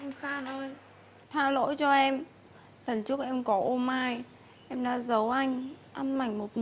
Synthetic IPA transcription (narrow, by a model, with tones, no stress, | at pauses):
ʔɛ˧mxaː˧nə˧j | t̪ʰaː˧lo̰˧˥jt͡ɕɔ˧ʔɛ˧m | t̪ə˨˩nt͡ɕɨ˦˥k̚ʔɛ˧mkɔ˨˦ʔo˧mːaː˧j | ʔɛ˧mɗa̰ː˧˥zə˨˦wʔa˧jŋ̟ʔa˧nma˨˩jŋ̟mo˨˩t̚